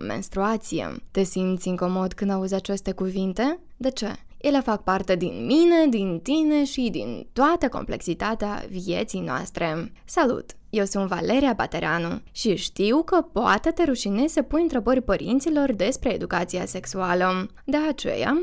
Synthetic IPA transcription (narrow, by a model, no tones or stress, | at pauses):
mḛnst̪ɾuat̪sijḛt̪e̞simt̪sʲɨŋko̞mo̞d̪kɨnd̪auzat͡ʃe̞st̪e̞kuvint̪e̞ | d̪e̞t͡ʃe | jelefak̚part̪e̞d̪inmine̞d̪int̪ine̞ʃid̪ḭnt̪oat̪əko̞̰mple̞̰ksit̪at̪ea̰vie̞t̪sijnoa̰st̪ɾe̞ | salṵt̪ | je̞wsunt̪va̰leɾiaba̰t̪eɾeanuʃiʃt̪iwkəpoa̰t̪et̪e̞ɾuʃinesəpunɨnt̪ɾebərʲpəɾʔḭnt̪silo̞rd̪e̞spɾe̞ːd̪ukat̪sijase̞ksualə | d̪eat͡ʃe̞̰ja̰